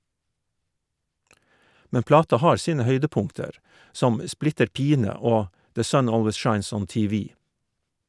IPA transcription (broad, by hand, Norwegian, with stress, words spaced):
ˈmɛn ˈplɑːtɑ ˈhɑːɾ ˈsiːnə ˈhœʏdəˌpʊŋtəɾ ˈsɔm ə ˈsplɪtəɾ ˈpiːnə ˈoː ˈdeː ˈsœn ˈoːlʋəs ˈʃɑɪns ˈɔn ˌtiːˈʋiː